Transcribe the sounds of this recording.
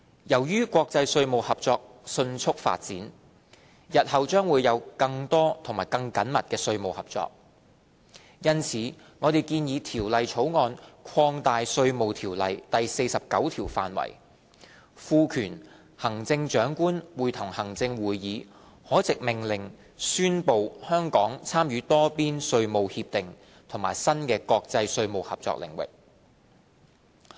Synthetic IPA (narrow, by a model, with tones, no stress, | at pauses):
jɐ˨˩wjyː˥kʷwɔː˧k̚t͡sɐ˧jsɵ˧ɥmo˨whɐ˨p̚t͡sɔː˧k̚sɵ˧nt͡sʰʊ˥k̚fa̰ː˧t̚t͡sḭː˨˥n | jɐ˨t̚hɐ˨wt͡ʃœː˥ŋwuː˨˧jɐ˨˧wkɐ˧ŋt̪ɔː˥t̪ʰʊ˨˩ŋmaː˨˩jkɐ˧ŋkɐ˨˥nmɐ̰˨t̚kɛː˧sɵ˧ɥmo˨whɐ˨p̚t͡sɔ̰ː˧k̚ | jɐ˥nt͡sʰiː˨˥ | ŋɔː˨˧t̪e˨jkiː˧njiː˨˧t̪ʰiː˨˩wlɐ˨jt͡sʰo˨˥wŋɔː˧nkʰɔː˧ŋt̪aː˨jsɵ˧ɥmo˨wt̪ʰiː˨˩wlɐ˨jt̪ɐ˨jse˧jsɐ˨p̚kɐ̰˨˥wt̪ʰiː˨˩wfa̰ː˨nwɐ̰˨˩j | fuː˧kʰyː˨˩n | hɐ˨˩ŋt͡sɪ˧ŋt͡ʃœː˨˥ŋkuː˥nwuː˨˩jt̪ʰʊ˨˩ŋhɐ˨˩ŋt͡sɪ˧ŋwuː˨˩jːiː˨˧ | hɔː˨˥t͡sɪ˨k̚mɪ˨˩ŋlɪ˨˩ŋ | syː˥npo˨˧whœː˥ŋkɔː˨˥ŋt͡sʰaː˥mjyː˨˥t̪ɔː˥piː˥nsɵ˧ɥmo˨whi˧p̚t̪ɪ˨ŋ | t̪ʰʊ˨˩ŋma̰ː˨˩jsɐ˥nkɛː˧kɔː˧k̚t͡sɐ˧jsɵ˧ɥmo˨whɐ˨p̚t͡sɔ̰˧k̚lɪ̰˨˩ŋwɪ̰˨k̚